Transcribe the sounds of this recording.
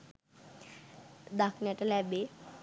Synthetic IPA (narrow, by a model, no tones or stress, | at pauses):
d̪akʰnɛʈalɛbe